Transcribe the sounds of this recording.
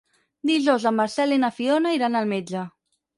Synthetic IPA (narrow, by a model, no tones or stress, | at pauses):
d̪iʒɔwzəmːaɾsɛlinafionaiɾanəlˠmed͡ʒə